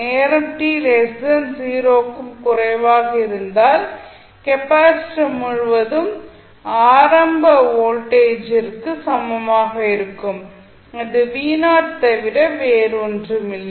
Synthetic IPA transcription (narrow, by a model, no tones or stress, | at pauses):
neːɾɐʈilesɐnsiːɾoːkːɯmkʊrɐɪʋaːɣɐɪɾɯnd̪aːl | kɛpaːsʈɐmʊɻʋɐðɯm | aːɾɐmbɐoːlʈeːd͡ʒɪrkɯsɐmbɐmaːɣɐɪɾɯkːɯm | ɐðɯʋiːnaːɾt̪ɐʋɪɽɐʋeːɾondrɯmɪlːɐ